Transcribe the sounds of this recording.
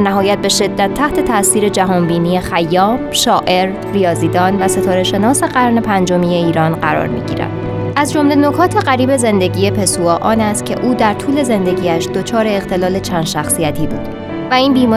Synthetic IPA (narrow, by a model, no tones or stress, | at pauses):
næɦɒːjæt̪̚be̞ʃe̞d̪ːæt̪ʰːæht̪ʰe̞t̪ʰæsiːɾe̞d͡ʒæɦɒːnbiːniːje̞xæjːɒːmʃɒːʔe̞ɾ | ɾijɒːziːd̪ɒːnvæse̞t̪ʰɒːɾe̞ʃe̞nɒːse̞ɢæɾne̞pʰænd͡ʒomiːje̞iːɾɒːnɢæɾɒ̰ːɾmḭːɟḭːɾæ̰nd̪̥ | ʔæzd͡ʒo̞mleno̞kʰɒːt̪ʰe̞ɢæɾiːbe̞ze̞nd̪e̞ɟiːje̞pʰe̞suɒːʔɒːnæst̪̚cʲʰe̞̰ʔuːd̪æɾt̪ʰuːle̞ze̞nd̪e̞ɟiːæʃd̪̥o̞t͡ʃʰɒːɾe̞ːɣt̪ʰe̞lɒːle̞t͡ʃʰænd̪ʃæxsijæt̪ʰiːbṵːd̪̥ | væiːnbiːmɒː